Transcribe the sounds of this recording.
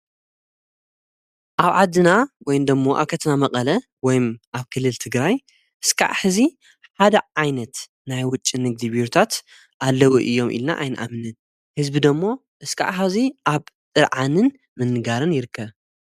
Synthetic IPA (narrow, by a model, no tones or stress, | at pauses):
ʔaβʕad̪ːɨnawɔjnd̪ɐmːo̞ʔa̰βkʰɐt̪ʰɐnamɐqʼɐlɐ | wɔjmʔaβkʰɨlːɨlt̪ʰɨɡɾaj | ʔɨskʰa̰ʕħɨzi | ħad̪ɐʕajnɐt̪ | najwʊt͡ʃʼːinɨɡ̚d̪iβiɾut̪ʰat̪ | ʔalːɐwuʔɨjːo̞mʔḭlna̰ʔajnɨʔa̰mnɨn | hɨzbid̪omːo̞ | ʔɨskʰa̰ʕħaziʔaβt̪ʼɨɾʕanɨn | mɨnːɨɡaɾɨnjɪɾɨkːɐβ